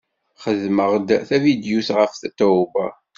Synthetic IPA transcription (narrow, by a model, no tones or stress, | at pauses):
χəðməʁd̪θævid̪juθʁəfθæt̪ːævæ